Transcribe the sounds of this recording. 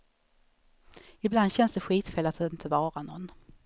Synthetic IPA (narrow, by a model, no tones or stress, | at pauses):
ɪbland̪ɕɛnsd̪ɛɧiːt̪fɛːlat̪ɪnt̪ʰəvɑːɾanɔ̰nː